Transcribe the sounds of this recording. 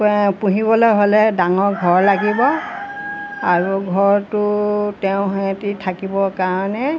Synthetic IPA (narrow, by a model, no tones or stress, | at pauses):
pũɦibɔlojɦolɛdaŋɔɹɡʱɔɹlaɡibɔ | aɹuɡʱɔɹtʊtɛʊ̃ɦɔjatitʰakibɔkaɹɔnɛ